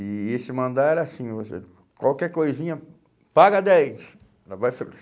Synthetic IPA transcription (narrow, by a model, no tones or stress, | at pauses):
ɪesɪmɐ̃nd̪aɛɾɐasĩvosḛ | kwawkɛɾkojzĩɲɐ | paɡɐd̪ɛjs | lavajfel